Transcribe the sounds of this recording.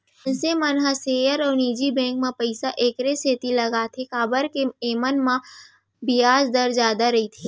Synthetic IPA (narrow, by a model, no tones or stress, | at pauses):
nsemɐnɦaseːjəɾɔːɾniːd͡ʒibɛ̃ːŋkmãpɐɪsaʔeːkɾeseːt̪ilɐɡaːt̪ʰekaːbəɾkeeːmənmã | bijaːd͡ʒd̪əɾzjaːd̪aɾɐɦit̪ʰiː